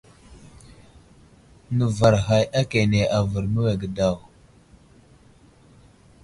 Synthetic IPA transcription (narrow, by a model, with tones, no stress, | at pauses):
nə˨va˨ɾɦa˨ja˦ke˨ne˨ʔa˨və˨ɾmə˦we˨ɡə˨da˦˨w